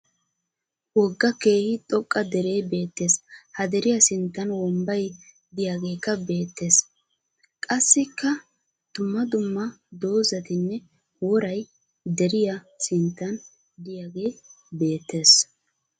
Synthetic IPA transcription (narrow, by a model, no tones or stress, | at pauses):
wɔɡːɐke̞ːhɪt̪ʼɔkʼːɐd̪ɛɾe̞ːbe̞ːt̪ːe̞ːshɐd̪ɛɾɪjɐsɪnt̪ːɐnwɔmbɐj | d̪ɪjaɡe̞ːkːɐbe̞ːt̪ːe̞ːs | kʼɐsːɪkːɐ | d̪̥ʊmːɐd̪ʊmːɐd̪o̞ːzɐt̪ɪnːɛ | wɔɾɐj | d̪ɛɾɪja | sɪnt̪ːɐn | d̪ɪjaɡe̞ː | be̞ːt̪ʰːe̞ːs